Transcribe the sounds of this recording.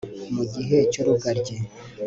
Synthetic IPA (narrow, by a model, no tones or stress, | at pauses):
muɟiɦe̞coɾuɡaɾɟe